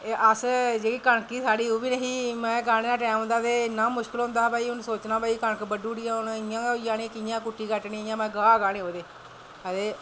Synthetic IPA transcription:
ʔəsd͡ʒeːkiːkəɳkiːsaːɽiːoːbiːnəɦiːmɛ̃ːɡaːneːnãːʈɛːm̃nd̪aːt̪eːnaːmʊʃkɪlɦʊ̃nd̪aːbaːiːʊnsoːt͡ʃnãːbaːiːkəɳəkbəɖuːɽɪjãːʊnɪjãːd͡ʒaːnẽkɪjãːkʊʈːiːkəʈnĩːjãːmɛ̃ːɡaːɡaːneːɦoːd̪eː | ət̪eː

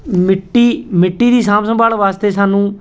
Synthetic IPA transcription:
mɪʈːiːmɪʈːiːd̪iːsãːmsə̃mbaːlʋaːst̪eːsaːnũː

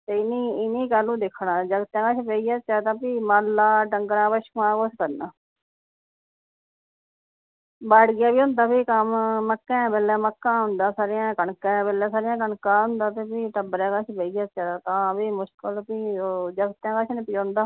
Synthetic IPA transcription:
t̪eːɪniːɪnĩːkaːlũːd̪ɪkʰːɳaːd͡ʒəɡt̪jãːkaːt͡ʃʰpeːijaːt͡ʃaːt̪ãːpiːmaːlːaːʈəŋɡɾãːpəʃkːãːkoskəɾnaː | baːɽɡɪjaːbiːɦʊ̃nd̪aːpiːkəmːəkːɛ̃ːbɛːlɛːməkːãːɦʊnd̪aːsaːɾɪjãːkəɳkɛ̃ːbɛːlɛ̃ːsaːɾɪjãːk̬əɳkaːɦʊ̃nd̪aːt̪eːpiːʈəbəɾɛ̃ːkat͡ʃʰbeːiːaːt͡ʃaːd̪aːt̪ãːpiːmʊʃkəlpiːod͡ʒəɡt̪jãːkaːt͡ʃʰnːpiõːnd̪aː

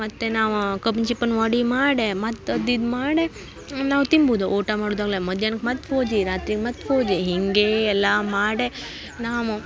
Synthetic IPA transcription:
mat̪ːenaʋkəbnt͡ʃipənʋaɽimaɽemat̪ːəd̪id̪maːɽe | nãwt̪imbʱud̪oʔoːʈamaɽud̪aɡlaməd̪jankʰmat̪fʰod͡ʒiɾaːt̪ɾikmat̪fʰoːd͡ʒeɦiŋɡeɛlamaɽe | namo

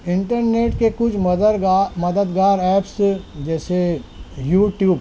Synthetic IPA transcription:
ɪ̃ɳʈəɾneːʈkekʊt͡ʃʰməɾmɐd̪əd̪ɡaːɾɛːpsd͡ʒɛːsejuːʈjuːb

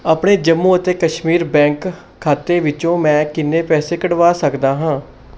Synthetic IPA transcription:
aːpɳeːd͡ʒəmːũːət̪eːkəʃmiːɾbɛ̃ːŋkʰː | aːt̪eːʋɪt͡ʃõːmɛ̃ːkɪnːeːpɛːseːkəɽʋaːsəkd̪aːɦãː

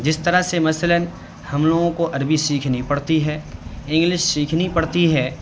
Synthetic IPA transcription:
d͡ʒɪst̪ɐɾasemɐsələn | hɐmloːɡõkoʔɐɾbisiːkʰnipɐɽt̪iɦɛːɪ̃ŋɡlɪʃsiːkʰnipɐɽt̪iɦɛː

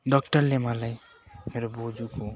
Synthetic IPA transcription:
ɖɔk̚ʈʌɾlemalaj | meɾobod͡ʒukʰo

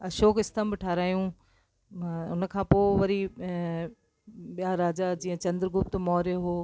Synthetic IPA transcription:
ʃoːkɪst̪ʰəmbɪʈʰaːɾaːjũ | ʊn̆kʰãːpoːʋɐɾi | ɓijaɾaːd͡ʑad͡ʑĩːə̃t͡ɕɐ̃nd̪ɾəɡʱʊp̚t̪mɔːɾjoɦoː

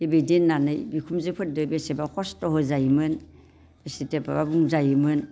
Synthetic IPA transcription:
ibedinːanɯjbikʰumzɯpʰɯt̚dɯbesebakʰɔstɔɦɯzajmɯn | esiteba̰babuŋzajɯmɯn

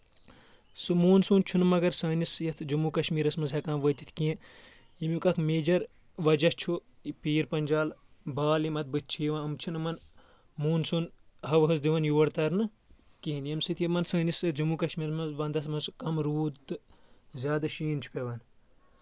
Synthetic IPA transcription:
sɨmuːnsuːnt͡ʃʰunɨmɐɡɐɾsɐːnisjɐt̪ʰd͡ʒumukɐʃmiːɾɐsmɐnzɦɐkɐmʋət̪i̥t̪ʰkiẽ | imukɐkmeːd͡ʒɐɾ | ʋɐd͡ʒɐst͡ʃʰu | piːɾpɐnʲd͡ʒaːlbaːlimɐt̪̚bɨt̪̚ʰt͡ʃʰiːʋɐnɐmt͡ʃʰunɨmɐn | muːnsunɦɐʋɦɐzd̪iʋɐnjuʋɐɽt̪ɐɾnɨ | kiɦinjɐmsɨt̪ʰjimɐnsɐːnisɐd͡ʒumukɐʃmiːɾmɐzʋɐnd̪ɐsmɐskɐmɾuːt̪ɨzʲjaːd̪ɐʃiːnt͡ʃʰu̥pʲeʋɐn

